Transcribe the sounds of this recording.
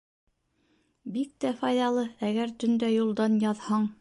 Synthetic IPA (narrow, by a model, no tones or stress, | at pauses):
bik̚t̪æfɑjðɑlˠɤæɡæɾt̪ɵ̆nd̪æjulˠd̪ɑnjɑðhɑɴ